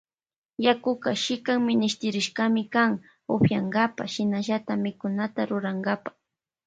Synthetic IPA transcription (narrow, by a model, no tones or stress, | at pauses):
jakʊkaʃɪkaŋmɪnɪʃt̪ɪɾɪʃkamɪkaŋ | oɸjaŋɡapaʃɪnaʒat̪amɪkʊnat̪aɾʊɾaŋɡapḁ